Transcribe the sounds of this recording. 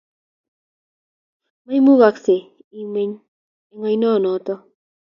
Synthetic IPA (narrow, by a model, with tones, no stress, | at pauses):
ma˦jmu˦ɡa˨kse˨ | i˨me˦ɲ | e˨ŋɔ˨jnɔ˦˨nɔ˨t̪ɔ˦